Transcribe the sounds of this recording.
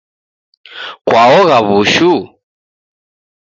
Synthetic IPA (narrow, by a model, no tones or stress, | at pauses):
kwʔaɔɣaβuʃu